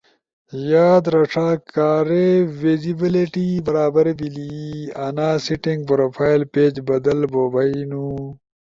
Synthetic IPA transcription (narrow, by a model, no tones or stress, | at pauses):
jaːd̪ɾɐʂaːkaːɾewizibiliʈibɐɾaːbɐɾbiliɐnaːsiʈĩŋɡ̚pɾoːfʰaːjlpeːd͡ʑbɐd̪ɐlboːbainu